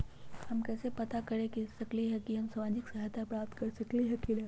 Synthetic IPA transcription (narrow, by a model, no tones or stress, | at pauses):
hɐmkɛːsepɐt̪akɐɾẽkisɐkliɦɛ̃kiɦɐmsamaːd͡ʒɪksɐɦat̪ʰapɾaːp̚t̪kɐɾsɐkliɦɛkilɛ